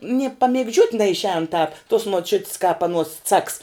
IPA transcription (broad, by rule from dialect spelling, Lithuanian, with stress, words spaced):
nʲiɛ pɐmʲɪɡˈd͡ʒʲuɔtʲ nʲɛɪʃʲˈɛːn tɑːp tuɔs muɔˈt͡ʃʲʊtʲs kɑːp ɐˈnuɔs t͡sɐks